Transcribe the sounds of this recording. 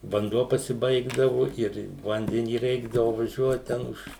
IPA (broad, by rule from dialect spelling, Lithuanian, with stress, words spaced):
ʋɐnˈduɔ pɐsʲɪˈbɐɪɡdɐʋʊ ɪr ˈʋɐnʲdʲɛnʲiː ˈrʲɛɪɡdɐʋʊ ʋɐˈʒʲuɔt ˈtʲɛn ʊʃ